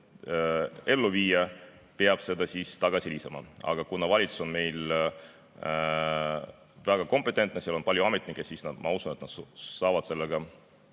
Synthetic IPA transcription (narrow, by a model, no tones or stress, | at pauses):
e̞lːuviːjɑ | peɑb̥se̞d̪ɑsist̪ɑɡ̥ɑsiliːsɑmɑ̰ɑ̰ɡ̥ɑkunːɑvɑlʲit̪su̥so̞nme̞jl | væɡ̥ɑko̞mpːˑet̪ːˑe̞nt̪̚ˑneseɑlo̞npɑlʲjuɑme̞t̪ːˑnikːˑesisnɑd̪̥mɑusune̞t̪nɑd̪sɑːvɑd̪̥se̞lːeɡ̥ɑ